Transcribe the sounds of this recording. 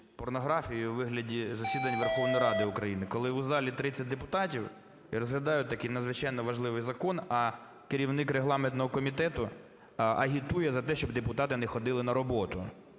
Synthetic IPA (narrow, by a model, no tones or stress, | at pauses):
pɔrnɔɦɾɑfʲijjʊʋɪɦlʲɐdʲizɐsʲid̪ɐnʲʋerxɔʋnɔjɾɑd̪ɪʊkɾɐjinɪkɔlˠɪʊzɑlʲit̪ɾɪt͡sʲːɐt̚ʲd̪epʊt̪ɑtʲiw | iɾɔzɦlʲɐd̪ɑjʊt̪ɐkɪjnɐd̪zʋɪt͡ʃɑjnɔʋɐʒlˠɪʋɪjzɐkɔnɐ | kɪɾʲiwnɪkɾeɦlˠɑment̪nɔɦɔkɔmʲit̪ɛt̪ʊ | ʔɐɦʲit̪ujɛzɐt̪ɛʃt͡ʃɔbd̪epʊt̪ɑt̪ɪnɛxɔd̪ɪlˠɪnɐɾɔbɔt̪ʊ̰